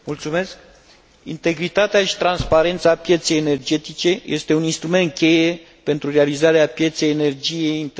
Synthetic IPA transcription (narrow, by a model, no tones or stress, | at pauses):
mult̪sume̞sk̚ | int̪e̞ɡɾit̪at̪eaʃi̥t̪ɾanspaɾe̞nt̪sapje̞t̪se̞jene̞rd͡ʒe̞t̪it͡ʃe̞jest̪e̞uninst̪ɾume̞nt̪̚kʲe̞je̞ | pe̞nt̪ɾurealizaɾeapje̞t̪se̞jene̞rd͡ʒije̞jint̪